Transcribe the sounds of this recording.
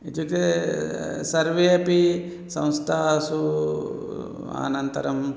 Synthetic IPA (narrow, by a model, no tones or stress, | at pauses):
it̪ut̪e | sɐɾʋeɐpi | sɐ̰̃w̃st̪ʰaːsu | a̰ːnɐnt̪ɐ̰ɾɐm